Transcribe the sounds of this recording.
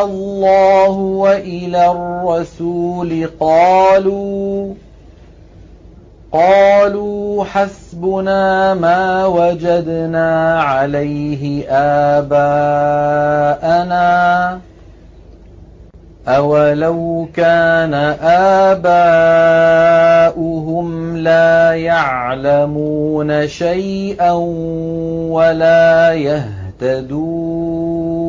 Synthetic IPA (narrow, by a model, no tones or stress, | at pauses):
ɑlːɑːhʊwaʔɪlaːrːɑsuːlɪqɑːluː | qɑːluːħasbʊnaːmaːwad͡ʒad̪naːʕalajɦɪʔaːbaː | ʔanaː | ʔawalawkaːnaʔaːbaː | ʔʊɦʊmlaːjaʕlamuːnaʃajʔan | walaːjah | t̪ad̪uː